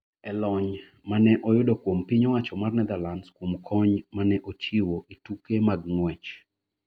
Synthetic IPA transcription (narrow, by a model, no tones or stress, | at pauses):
ɛlɔɲ | manɛʔɔjʊdokwompiɲɔwat͡ʃɔmarnɛd̪alanskwomkʰɔɲmanɛʔot͡ʃiwoʔitukemaɡŋwɛt͡ʃ